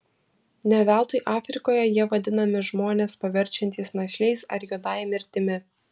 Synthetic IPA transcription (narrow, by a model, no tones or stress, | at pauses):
nʲɛʋʲæˑlˠt̪ʊjʔɑːfʲɾʲɪkoːjɛjiɛʋɐd̪ʲɪnɐmʲɪʒmoːnʲeːspɐʋʲɛɾʲt͡ʃʲɛnʲt̪ʲiːsnɐʃʲɛɪsɐ̰ɾjuːd̪ɑɪmʲɪɾʲt̪ʲɪmʲɪ